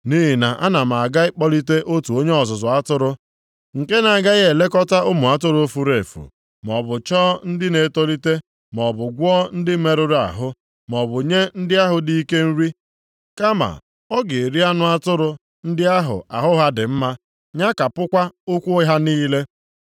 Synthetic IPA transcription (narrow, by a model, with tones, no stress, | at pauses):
ni˦ɦi˨na˨ʔa̰˦na˨m̩˨a˨ɡa˦ɪ˦k͡pɔ˦li˦te˦ʔo˦tu˨o˦ɲe˦ɔ˨zʊ˨zʊ˨a˦tʊ˦ɾʊ˦ | ŋ̩˨ke˦na˨a˨ɡa˦ɣe˨le˦kɔ˦ta˦ʊ˦mʊ˨a˦tʊ˦ɾo˦fu˦ɾe˨fṵ˨ | m˨ɔ˨bʊ˨t͡ʃɔː˦n̩˦dɪ˦ne˨˦to˦li˦te˦ | m˨ɔ˨bʊ˨ɡʷɔ˦n̩˦dɪ˦me˨ɾʊ˦ɾa̰˨ɦʊ˦ | m˨ɔ˨bʊ˨ɲe˦n̩˦dɪ˦a˦ɦʊ˨di˦i˦ke˦n̩˦ɾi˦ | ka˦ma̰˨ | ɔ˦ɡe˨e˨ɾi˦a˦nʊ˦a˦tʊ˦ɾʊ˦ | n̩˦dɪ˦a˦ɦʊ̰˨a˨ɦʊ˦ɦa˦dɪ˨m̩˦ma˦ | ɲa˦ka˨pʊ˦kʷa˦o˦kʷu˦ɦa˦niː˦le˦